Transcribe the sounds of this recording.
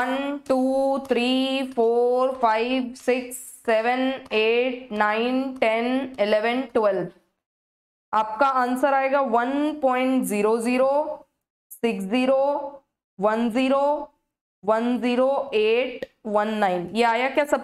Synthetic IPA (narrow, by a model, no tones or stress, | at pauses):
ənʈuːt̪ʰɾiːfoːɾfaːɪʋsɪksːɛːʋəneːʈ̚naːɪnʈɛnɪlɛʋənʈwɛlb | aːp̚kaansəɾaːeːɡaːʋɐnpɔ̃ːɪ̃ɳʈziːɾoziːɾoː | sɪksziːɾo | ʋɐnziːɾoː | ʋɐnziːɾoeːʈʋɐnːaːɪnjeaːjakjasɐb